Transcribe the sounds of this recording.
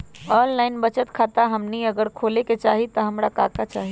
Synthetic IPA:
ɔːllaːɪnbət͡ʃət̪kʰaːt̪aɦɐmniɐɡəɾkʰoːleket͡ʃaːɦit̪ɐɦɐmɾakaːkat͡ʃaːɦi

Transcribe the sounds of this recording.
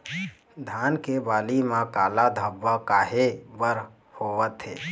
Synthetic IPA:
d̪ʱaːnkebaːlimãkaːlad̪ʱəbːəkaːɦebəɾ | hoʋət̪ɦeː

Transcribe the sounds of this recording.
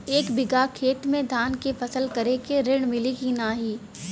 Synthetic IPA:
eːkbɪɡakʰeːt̪mẽd̪ʱaːnkefɐsəlkɐɾekeɾɪɽ̃mɪlikinaːɦiː

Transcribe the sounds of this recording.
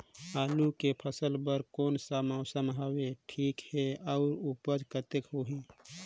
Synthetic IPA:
aːlukepʰəsəlpəɾkoːnsamaʊsəmɦaweʈʰiːkheɔʊɾupəd͡ʒkət̪əkɦoɦi

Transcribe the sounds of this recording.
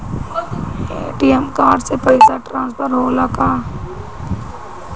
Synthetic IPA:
ḛːʈiɛmkaːɖsepɐɪsaʈɾãːnspʰəɾɦoːlakaː

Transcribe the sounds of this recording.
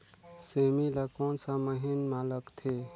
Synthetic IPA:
semilakɔnsaməɦinmaləkt̪ʰe

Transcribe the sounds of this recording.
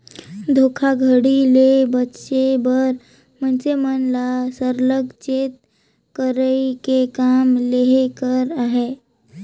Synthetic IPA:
d̪ʱokʰaɡʱəɽilebətːʃebəɾ | mənsemənlasəɾləɡt͡ʃet̪̚ | kəɾəjkekamleɦekəɾaɦe

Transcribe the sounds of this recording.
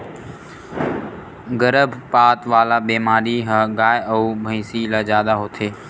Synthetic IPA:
ɡəɾəbʱpaːt̪ʋaːlaːbeːmaːɾiːɦãɡaːjəuːbʱə̃ĩsiːlaːzjaːd̪aːɦoːt̪ʰeː

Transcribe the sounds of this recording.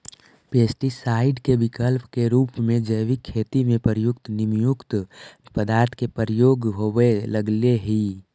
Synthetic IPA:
peːsʈisaːɪɖkebɪkəlpkeɾuːpmẽd͡ʒəjʋikʰːeːt̪imẽpəɾjʊkt̪nɪmjʊkt̪pəd̪aːɾt̪ʰkepəɾjoːɡɦoʋeləɡleɦi

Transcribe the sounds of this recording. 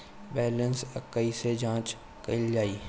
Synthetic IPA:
bɛːlənsəkːəised͡ʒãːt͡ʃ | kɐɪld͡ʒaːiː

